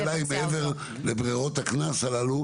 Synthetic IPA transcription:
laimeeveʁ | lebʁio̞t̪haknasalalu

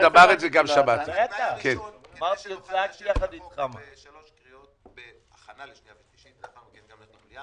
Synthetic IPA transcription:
dabaʁezeɡamʃabat̪et̪akenmaʁt̪ijot͡sak̚t̪ijaχad̪it̪χama

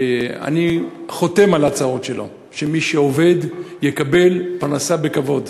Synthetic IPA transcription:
a̰niχo̞t̪e̞malat͡sao̞tʃe̞lʔo̞̰ | ʃemiʃeo̞ve̞d̪jekabe̞lpaʁnasabe̞kavo̞d̪

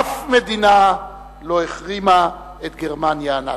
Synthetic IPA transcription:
fme̞d̪ina | loeχʁima | et̪ɡe̞ʁmanjaːna̰

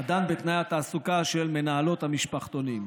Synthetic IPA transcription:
ad̪anbet̪najat̪aːsukaʃe̞lme̞naalo̞t̪hamiʃpaχt̪o̞nim

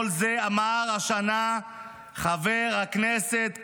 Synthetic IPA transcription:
lzeamaʁaʃana | χaveʁhakneset̪

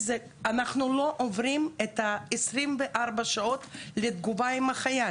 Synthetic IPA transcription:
ze | anaχnuloʔovɾimet̪ɐesɾimveʔaʁbɐʃaot̪led̪ɡuvaimaχaja

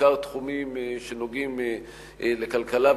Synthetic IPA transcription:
aʁt̪χumimʃenoɡim | ʔlekalkalav

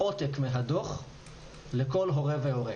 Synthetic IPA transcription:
ot̪ekmeɦadoχ | leko̞lɦo̞ʁevehoʁe

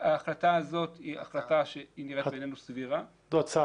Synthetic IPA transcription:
aːχlataazo̞t̪hia̰χlataʃeiniʁebenenusviʁa | d̪ot͡sa

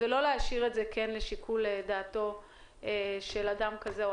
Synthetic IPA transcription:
elo̞leaʃiʁetzekʰenleʃikʰuledaːto̞ | eʃeladamkaze

